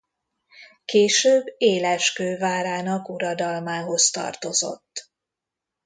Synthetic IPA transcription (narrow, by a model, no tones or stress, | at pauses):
keːʃøːbːeːlɛʃkøːvaːɾaːnɒkuɾɒd̪ɒlmaːɦo̞st̪ɒ̰rt̪o̞zo̞̰t̪ː